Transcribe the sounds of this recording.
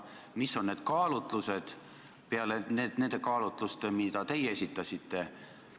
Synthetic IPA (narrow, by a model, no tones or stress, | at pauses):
misːo̞nːe̞ːd̪̥̚kɑːlut̪ˑluse̞d̪̥ | peɑlenene̞nd̪̥e̞kɑːlut̪ˑlust̪emid̪ɑt̪e̞jesʲit̪ːˑɑsʲit̪ːe̞